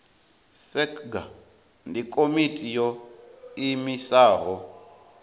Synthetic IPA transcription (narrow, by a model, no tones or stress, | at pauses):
sɛkʰɡa̰ | ndikʼomitʼijɔ | imisaːɦɔ